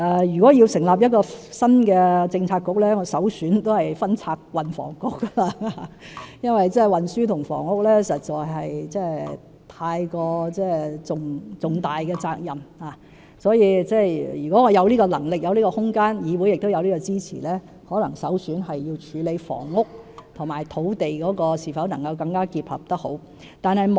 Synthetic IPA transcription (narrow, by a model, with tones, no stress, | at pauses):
ʔɛː˨˩jyː˨kɔː˨˥jiː˧wsɪ˨˩ŋlaː˨p̬̚jɐ˥t̚kɔː˧sɐ˥nkɛː˧t͡sɪ˧ŋt͡sʰaː˧kːʊ˨k̚lɛː˥ŋɔ˨˧sɐ˨˥wsyː˨˥nt̪o˥whɐ˨jfɐ˥nt͡sʰaː˧k̚wɐ˨nfɔ̰ː˨˩ŋkʊ˨˧kːa˧ | jɐ˥nwɐ˨jt͡sɛː˥˩wɐ˨nsyː˥t̪ʰʊ˨˩ŋfɔ̰ː˨˩ŋʊ˥k̚lɛː˥sɐ˨t̚t͡sɔː˨˩jɦɐ˨jt͡sɛː˥˩ | t̪ʰaː˧jkɔː˧t͡sɛː˥˩t͡sʊ˨ŋt͡sʊ˨ŋt̪aː˨jkɛː˧t͡saː˧k̚jɐ˨mhaː˨ | sɔː˨˥jiː˧t͡sɛː˥˩jyː˨˩kɔ˨˥ŋɔ˨˧jɐ˨˧wliː˥kɔː˧lɐ˨˩ŋlɪ˨k̚jɐ˨˧wliː˥kɔ˧hʊ˥ŋkaː˥njiː˨˧wu˨˥jɪ˨k̚t̪wjɐ˨˧wliː˥kɔ˧t͡siː˥t͡sʰḭː˨˩lɛː˥ | hɔː˨˥lɐ˨˩ŋsɐ˨˥wsyː˨˥nɦɐ˨jːiː˧wt͡ʃʰyː˨˧˥le˨˧jfɔ̰ː˨˩ŋːʊ˥k̚t̪ʰʊ˨˩ŋmaː˨˩jt̪ʰo˨˥wt̪e˨jkɔː˨˥kɔː˧siː˨˩fɐ˨˥wnɐ˨˩ŋkɐ˧wkɐ˧ŋkaː˥kiː˧p̚hɐ̰˨p̚t̪ɐ˥k̚ho˨˥w | t̪aː˨nhɐ˨jm